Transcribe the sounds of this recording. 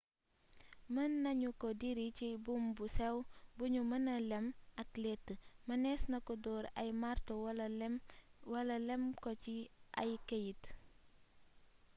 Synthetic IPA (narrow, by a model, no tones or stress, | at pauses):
mɐnːɐɲukɔdiɾicibumbusɛwbuɲumɐnɐlɛmɐklɛtːəmɐnɛsnɐkɔdɔːɾɐ̰jmartol | wɐlɐlɛmkɔt͡ʃiʔɐ̰jkɐjit